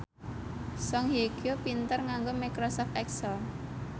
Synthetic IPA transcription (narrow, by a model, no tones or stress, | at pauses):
sɔŋɦeɡ̥opint̪ərŋaŋɡomakɾɔsɔft̪ɛksəl